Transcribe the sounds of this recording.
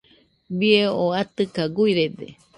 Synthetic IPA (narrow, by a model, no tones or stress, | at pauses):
bieoat̪ɨkaɡujɾed̪ḛ